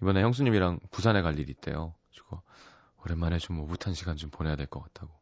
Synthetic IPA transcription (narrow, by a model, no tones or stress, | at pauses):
ibʌne̞çjʌŋs̬ʰuɲimiɾaŋpusʰane̞kaʎːiɾiːt̚t͈e̞̰jot͡ɕiɡo | ʌɾenmanet͡ɕomːobutʰanɕʰiɡant͡ɕompone̞jadwe̞ɭk͈ʌk͈at̚t͈ʰaɡo